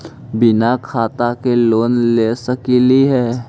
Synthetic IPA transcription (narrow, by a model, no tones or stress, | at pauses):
bɪnakʰaːt̪akeloːnleːsəkiliɦɛː